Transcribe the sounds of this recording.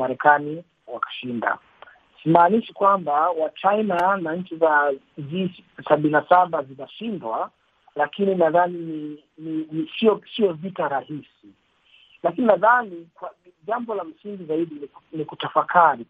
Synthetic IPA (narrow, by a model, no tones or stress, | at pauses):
maɾɛkani | wakḁʃinda̰ | simaːniʃi̥kwambawat͡ʃainanaɲ̩t͡ʃiza | ziːsaɓininasaɓazinaʃindwa | lakininaðanini | ninisiɔsiɔvitaɾahisi | lakininaðanikwa | ʄambɔlam̩siŋɡizaiɗininikutafakʰaɾi